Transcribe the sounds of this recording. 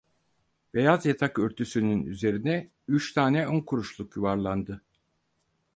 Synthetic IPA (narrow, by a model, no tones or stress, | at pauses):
b̥e̞jazjat̪ʰakøɾt̪ʰysynynyze̞ɾinɛ | yt͡ʃt̪ʰaːnɛonkʰuɾuʃlˠukjuvaɾlˠand̪ɯ